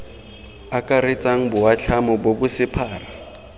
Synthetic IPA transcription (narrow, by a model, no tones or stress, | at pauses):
akʼaɾɪt͡sʼaŋ̩bʊwat͡ɬʰamɔbobʊsɪpʰaːra